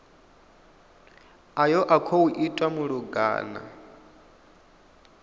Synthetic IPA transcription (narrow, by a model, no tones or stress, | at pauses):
ajɔʔakʰɔuʔitʼwamuɺuɡa̰ːna̰